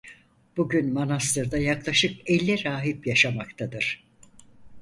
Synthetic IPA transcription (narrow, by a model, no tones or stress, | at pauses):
b̥uɟynmanas̬t̪ɯɾd̪ajaklˠaʃɯkɛlʲːɛɾaːɦipjaʃamakt̪ʰad̪ɯɾ̥